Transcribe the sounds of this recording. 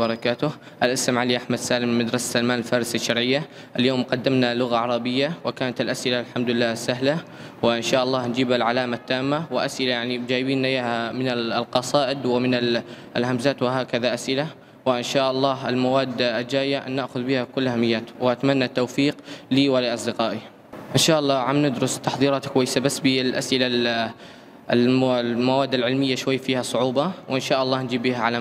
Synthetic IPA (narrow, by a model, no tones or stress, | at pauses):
bɑɾˤɑkaːt̪ʊ | ʔalʔasamʕaliʔaħmad̪saːlɪmːad̪ɾˤɑsḁsalmaːnlfaːɾɪsaʃːɑɾˤʕɪjːa | ʔaljoːmqɑd̪ːamnalʊɣaʕɑɾˤɑbɪjːawɪkaːnat̪alʔasʔɪlalħamd̪ʊɪlːaːsːaɦla | wɪʔɪnʃaːʔɑlˤːɑːhnd͡ʒiːbalʕalaːmat̪ːaːmːawɪʔasʔɪlajaʕnid͡ʒaːjbiːnʔajaːhamɪnalqɑsˤɑːʔɪd̪wɪmɪna | lhamzaːt̪wɪɦaːkaðaʔasʔɪla | wɪʔɪnʃaːʔɑlˤːɑːɦɪlmawaːd̪ːld͡ʒaːjːanaʔxʊðbɪhakʊlːʔahamːɪjːaːt̪wɪʔat̪amanːat̪ːawfiːqliːwɪliʔɑsˤd̪ɪqɑːʔi | ʔɪnʃaːʔɑlˤːɑːʕamnɪd̪ɾʊst̪ɑħðˤiːɾɑːt̪kʊwajːɪsabasːbilʔa̰sʔɪla | mawaːd̪ːalʕɪlmɪjːaʃwajːfiːhasˤʊʕuːbɑwʔɪnʃaːʔɑlˤːɑːhnd͡ʒiːbːihaʕala